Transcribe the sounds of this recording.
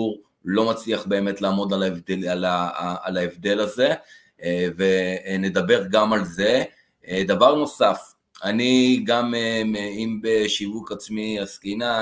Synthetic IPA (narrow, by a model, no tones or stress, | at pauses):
uʁ | lo̞mat͡sliaχbe̞ːme̞tlaːmo̞d̪alalaːlaevd̪e̞laze̞ | vene̞d̪abe̞ʁɡamalze̞ | d̪avaʁno̞saf | aniɡameimbeʃivukat͡smiaskina